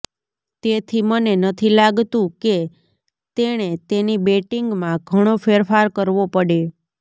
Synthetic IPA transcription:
t̪et̪ʰimənenət̪ʰilaɡt̪ũke | t̪eɽ̃et̪enibeʈiŋɡmãɡʱəɽ̃ofeɾfaɾkəɾʋopəɽe

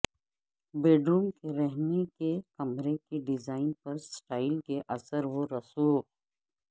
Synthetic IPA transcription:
beːɖɾuːmkeɾɛɦnekekɐmɾekeɖɪzaːɪnpɐɾsʈaːɪlkeʔɐsəɾʋoɾɐsuː

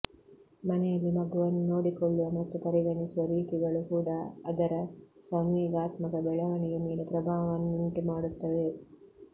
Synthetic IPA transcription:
mɐnejɐlːimɐɡuʋɐnːunoːɽikoɭːuʋɐmɐt̪ːupɐɾiɡɐɳisuʋɐɾiːʈiɡɐɭukuːɽaɐd̪ɐɾɐsɐŋjiːɡaːt̪mɐkɐbɛɭɐʋɐɳijɐmiːlepɾɐbʱaːʋɐnːuɳʈimaːɽut̪ːɐʋe

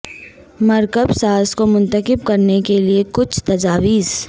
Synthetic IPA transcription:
mɐɾkəbsaːskomʊ̃nt̪əkɪb̚kɐɾnekeliekʊt͡ʃʰt̪ɐd͡ʒaːʋiːz̥

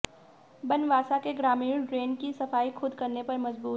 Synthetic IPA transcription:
bɐnʋaːsakeɡɾaːmiːɾɖɾeːnkisɐfaːixʰʊd̪kɐɾnepɐɾmɐzbuː

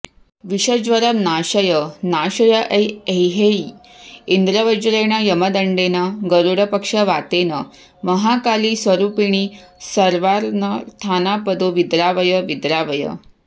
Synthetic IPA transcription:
ʋiɕəd͡ʑʋəɾəmnaɕəjənaɕəjəʔəjejɦei | ind̪ɾəʋəd͡ʑɾeɽ̃əjəməd̪əɳɖenəɡəɾuɽəpəkʂəʋat̪enə | məɦakaliːsʋəɾupiɽ̃iːsəɾʋaɾnət̪ʰanapəd̪oʋid̪ɾaʋəjəʋid̪ɾaʋəjə̰

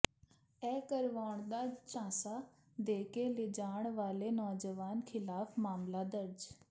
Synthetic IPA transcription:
ɛːkəɾʋaːɳd̪aːt͡ʃãːsaː | d̪eːkeːlɪd͡ʒaːɳ̃ʋaːleːnɔːd͡ʒəʋaːnkʰɪlaːfʰmaːmlaːd̪əɾd͡ʒ

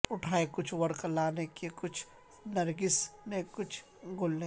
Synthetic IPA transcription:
ʊʈʰaːekʊt͡ʃʰʋɐɾklaːnekekʊt͡ʃʰ | nɐɾɡɪsnekʊt͡ʃʰ | ɡʊlne

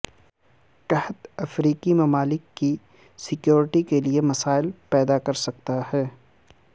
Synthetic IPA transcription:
kɐɦət̪ɐfɾiːkimɐmaːlɪkːi | sɪkjoːɾɪʈikeliemɐsaːɪlpɛːd̪akɐɾsɐk̚t̪aɦɛː

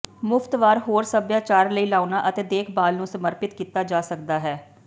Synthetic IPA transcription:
mʊft̪ʋaːɾɦoːɾsəbjaːt͡ʃaːɾləiːlaːʊnaːʔət̪eːd̪eːkʰbaːlnũːsəməɾpɪt̪kiːt̪aːd͡ʒaːsəkd̪aːɦɛː

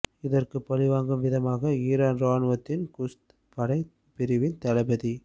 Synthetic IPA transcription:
ɪðɐrkɯpːɐlɪʋaːŋɡɯmʋɪðɐmaːɣɐiːɾaːnɾaːnʋɐt̪ːɪnkʊst̪ | pɐɽɐɪ | pɪɾɪʋɪnt̪ɐlɐbɐði

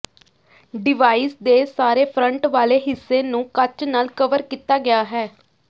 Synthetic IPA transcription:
ɖɪʋaːiːsd̪eːsaːɾeːpʰɾə̃ɳʈʋaːleːɦɪsːeːnũːkət͡ʃnaːlkəʋəɾkiːt̪aːɡɪjaːɦɛː

